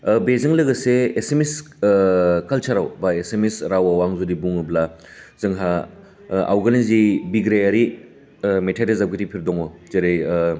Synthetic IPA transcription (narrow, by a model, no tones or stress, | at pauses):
bezɐŋlɐɡɐseːsemes | kɐlt͡ʃʰaɾawbaesemesɾawawaŋzudibuŋɯbla | zɐŋɦa | a̰wɡɐnizibiɡɾejɐɾi | metʰedezab̚ɡitipʰiɾdɔŋɔzeɾej